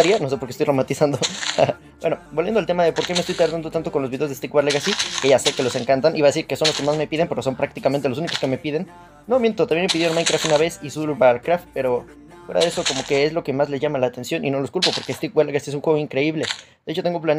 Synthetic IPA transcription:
aɾjano̞s̬e̞poɾkest̪ojromat̪isand̪oa | bweno̞bolje̞noalt̪e̞maðe̞po̞ɾke̞mest̪ojt̪aɾðjand̪ot̪ant̪o̞konlozβiðeozðest̪ikwaɾleɣasikeʝaseke̞lo̞se̞ŋkant̪anʔiβaðes̬iɾkeso̞nloskemazme̞piðempe̞ɾo̞so̞mpɾak̚t̪ikament̪e̞losunikoskeme̞piðe̞nː | o̞mje̞nt̪ot̪eβjenepiðemajnkɾaft̪unaβe̞sisulbaɾkɾaft̪̚pe̞ɾo̞ | fwe̞ɾa̰ðe̞so̞ko̞mo̞ke̞ezlo̞ke̞mazle̞zʝamalaːt̪e̞nsjo̞nʔino̞lo̞skulpo̞poɾkest̪ikwaɾleɣasiesunxwe̞ɣoiŋkɾe̞iβle̞d̪eet͡ʃo̞t̪e̞ŋɡoplan

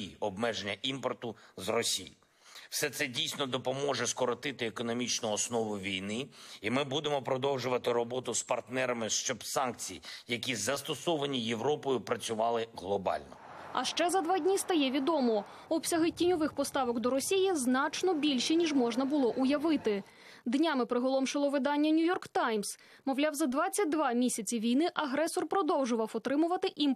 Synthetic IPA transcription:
iɔbmɛʒenʲːɐʔimpɔrt̪ʊzrɔsʲijḭ | wsɛt̪sɛdʲijsʲnɔd̪ɔpɔmɔʐɛskɔɾɔt̪ɪt̪ɪekɔnɔmʲit͡ʃnʊɔsnɔʋʊʋʲijnɪimɪbud̪emɔpɾɔd̪ɔwʒʊʋɐt̪ɪɾɔbɔt̪ʊspɐrt̪nɛɾɐmɪʃt͡ʃɔbsɑnkt͡sʲijijɐk̬ʲizɐst̪ɔsɔʋɐnʲijeʋɾɔpɔjʊpɾɐt͡sʲʊʋɑlˠɪɦlˠɔbɑ̰lʲnɔ | ɐ̰ʃt͡ʃɛzɐd̪ʋɑdʲnʲist̪ɐjɛʋʲid̪ɔmɔ | ɔbsʲɐɦɪtʲinʲɔʋɪxpɔst̪ɑʋɔkd̪ɔɾɔsʲijiznɑt͡ʃnɔbʲilʲʃɛnʲiʐmɔʒnɐbʊlˠɔʔʊjɐʋɪt̪ɪ | d̪nʲamɪpɾɪɦɔlˠɔmʃɪlˠɔʋɪd̪ɑnʲːɐnʲujɔrkt̪ɑjms | mɔwlʲawzɐd̪ʋɑt͡sʲːɐt̚ʲd̪ʋɑmʲisʲɐt͡sʲiʋʲijnɪʔɐɦɾɛsɔrpɾɔd̪ɔwʒʊʋɐwɔt̪ɾɪmʊʋɐt̪ɪʔim

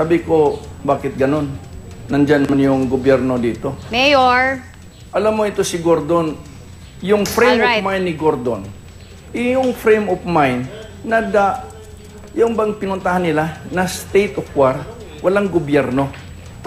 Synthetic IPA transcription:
saːbɪko̞baːkɪt̪̚ɡɐno̞nːɐnd͡ʒanmɐnjʊŋɡobjɛɾno̞d̪iːt̪o̞mɛjoɹ | ʔɐlamːoʔɪt̪o̞sɪɡoɾd̪on | jʊŋfɾɛjmmajnːɪɡoɾd̪o̰n | ʔɪjʊŋfɾɛjmofmajnː | ɐd̪aʔ | jʊŋbɐŋpɪnʊnt̪ahanːɪlanɐst̪ejt̪ʔofwaɾ | wɐlaŋɡobjɛɾno̞

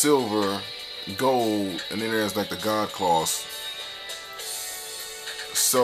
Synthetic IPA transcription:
sɪlˠvə˞ | ɡoʊlˠdɨ̃nɨ̃nə˞æ̃nzlaɪk̚ðɨɡɑd̚kʰl̥ɔs | so

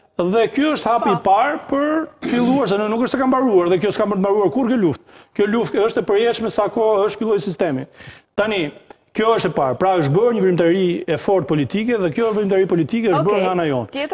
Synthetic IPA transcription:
ðɛkjɔəʃt̪hapipaɾpəɾfilˠuaɾs̬ɛnɛnukəʃt̪ɛkambaɾuaɾðɛkjɔskampənt̪maɾuaɾkuɾkjɔluft̪̚kjɔluft̪əʃt̪ɛpəɾjɛʃmɛsakɔəʃt̪filˠɔjsist̪ɛmit̪t̪ani | kjɔəʃt̪ɛpaɾpɾaəʃ̬bəɾɲəvɾimt̪aɾiɛfɔɾt̪̚pɔlit̪ikɛðɛkjɔəvɾimt̪aɾipɔlit̪ikɛəʃ̬bəŋaanajɔn

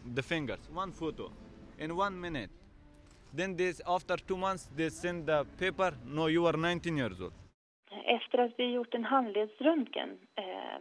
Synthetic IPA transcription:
d̪əfɪ̃ŋɡə̰ɾswãnfoːto̰ʔɛ̃nwãnmɪnɪt̚ | d̪ɛ̃nd̪eaft̪əɾtuːmãnt̪sd̪esɛ̃ndd̪əpeːpəɾnoːjuʋəɾnãɪ̃nt̪ĩnjiəɾzo̰ːld | ɛft̪əɾat̪vɪajʊʈːɛnɦand̪leːd̪sɾɵnt̪kɛ̰n

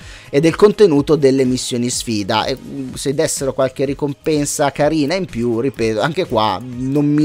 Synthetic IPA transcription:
ed̪ɛlkont̪enuːt̪od̪elːemisːjoːnisfiːd̪a̰ʔḛsed̪ːɛsːeɾokwalk̟erikompɛnsakaɾiːnaimpjurːipɛːt̪oaŋk̟ekwa̰nomːi

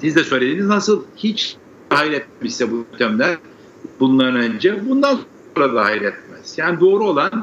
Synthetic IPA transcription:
sizd̪ɛsøːlʲed̪iniznasɯlˠhit͡ʃ | hajɾɛt̪̚mɛmisɛbut̪ʰɛmlʲæɾ | bunlˠaɾɯnønd͡ʒɛbund̪ans | oonɾad̪ahajɾɛt̪̚mɛz̥jaːnid̪o̞ːɾuo̞lˠan

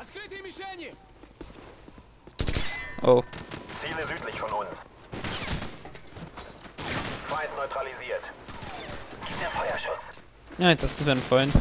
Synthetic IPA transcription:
at̪kɾɪt̪imiʃɛɲɛ | ʔoːt͡siːləzyːtlɪçfɔnʊns | faɪntnɔʏtʁ̥aliziːɐt | ɡ̥ipd̥eːɐfɔʏɐʃʊt͡s | jadassvenfʁɔʏnt

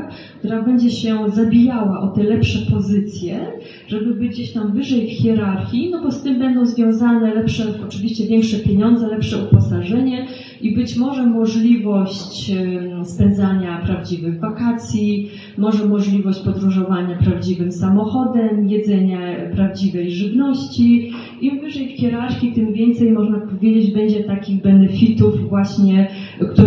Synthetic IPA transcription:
k | kt̪uɾabɛɲd͡ʑɛɕɛzabʲijawaʔɔt̪ɛlɛpʂɛpɔzɘt̪sʲjɛ | ʐ̥ɛbɘbɘɡd͡ʑeɕt̪amvɘʐɛjfxʲɛɾaɾxʲinɔbɔst̪ɘmbɛnd̪ɔ̃w̃zvjɔ̃w̃zanɛlɛpʂɛɔt͡ʂɘvʲiɕt͡ɕɛvʲjɛŋkʂɛpʲjeɲɔnd̪zɛlɛpʂɛupɔsaʐɛɲɛ | ʔibɘt͡ɕmɔʐɛmɔʐlʲivɔɕt͡ɕ | spɛnd̪zaɲapɾavd͡ʑivɘɣvakat̪sʲji | mɔʐɛmɔʐlʲivɔɕt͡ɕpɔd̪ɾuʐɔvaɲapɾavd͡ʑivɘmsamɔxɔd̪ɛmjɛd̪zɛɲapɾavd͡ʑivɛjʐɘvnɔɕt͡ɕi | imvɘʐɛjfxʲjɛɾaɾxʲit̪ɘmvʲjɛnt̪sɛjmɔʐnapɔvʲjed͡ʑed͡ʑbɛɲd͡ʑɛt̪akʲiɣbɛnɛfʲit̪uvvwaɕɲɛkt̪u

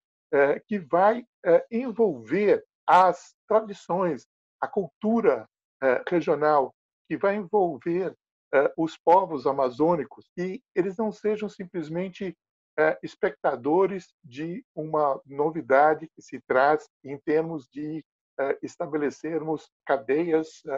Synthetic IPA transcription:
ɛkɪvaj | ɛẽvowveɾ | ɐs | t̪ɾad͡ʒisõj̃s | ɐkuwt̪uɾɐ | ɛʁeʒionaw | kɪvajẽvowveɾ | ɛʊspɔvʊzamazõnikʊsɪelɪznɐ̃w̃seʒɐ̃w̃sĩplɪzmẽnt͡ʃɪ | ɛɪspek̚t̪ad̪oɾɪz | d͡ʒɪũmɐnovid̪ad͡ʒɪkɪsɪt̪ɾaz | ẽj̃t̪eɾmʊzd͡ʒɪ | ɛɪst̪abeleseɾmʊs | kad̪ɛjɐs

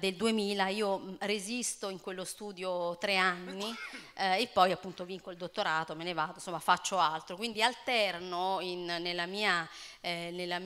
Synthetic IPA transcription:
d̪eld̪uemiːlaiːorezist̪oiŋkwelːost̪uːd̪jot̪ɾeanːiepːɔjapːunt̪oviŋkoild̪ot̪ːoɾaːt̪omenevaːd̪onsomːafat͡ʃːoalt̪ɾokwind̪ialt̪ɛrnoinnelːamiːa | nelːam

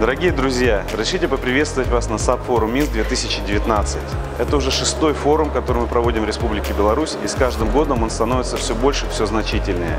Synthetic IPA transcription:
d̪əɾɐɡʲijəd̪ɾʊzʲjaɾəzʲɾʲɪʂɨtʲɪpəpɾʲɪvʲest̪vətʲvasnɐsapfo̞ɾʊmːʲisd̪vʲet̪ɨsʲɪt͡ɕɪdʲɪvʲɪt̪nat̪sɨtʲ | ɛt̪əʊʐɛʂɨst̪o̞jfo̞ɾʊmkɐt̪o̞ɾɨmɨpɾɐvo̞dʲɪmvɾʲɪspublʲɪkʲɪbʲɪlˠɐɾusʲiskaʐd̪ɨmɡo̞d̪əmo̞nst̪ɐnovɪt̪səfsʲɵbo̞lʲʂɨfsʲɵznɐt͡ɕitʲɪlʲnəjə̰

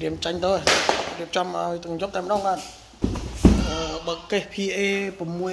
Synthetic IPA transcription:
riəmt͡ɕaɲt̪əriəp̚t͡ɕɑmʔa̰ɔjt̪ɨŋjok̚t̪aɛməɗɑːŋɓaːt̪̚ | ʔəːɓaːkeːhpʰiʔeːpɔmːuə

